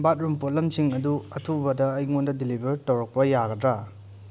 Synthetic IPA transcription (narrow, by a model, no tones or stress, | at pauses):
bat̚ɾumpot̚lɐmsiŋɐduɐtʰubɐdɐːjŋondɐdilibʱɐɾtɐwɾɐk̚pɐjaɡɐdɾa